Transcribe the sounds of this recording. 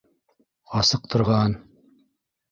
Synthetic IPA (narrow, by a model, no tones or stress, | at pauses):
ɑsɤq̚t̪ʰŏɾʁɑn